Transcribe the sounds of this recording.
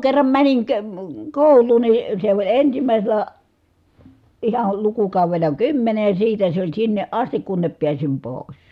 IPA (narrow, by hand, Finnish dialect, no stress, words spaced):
kerːɑm mæniŋ ke koˑulˑuːn ni se olʲ ensimæˑiselæ ihɑl lukukɑˑuʋelˑɑ kymːene jɑ siːtæ se olʲ sinːeʔ ʔɑstik kunːep piæsim poˑi̯s